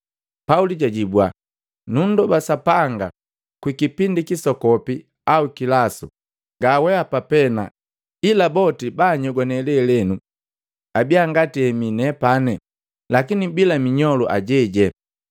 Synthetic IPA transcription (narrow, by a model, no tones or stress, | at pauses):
pauliɟaɟibwa̰ | nundɔbasapaŋɡa | kwikipindikisɔkɔpi | aukilasṵ | ɡawɛapapɛna̰ | ilabɔtibaɲɔɡanɛlɛlɛnu | abiaŋɡatiɛminɛpanɛ | lakinibilamiɲɔluʔa̰ɟɛɟɛ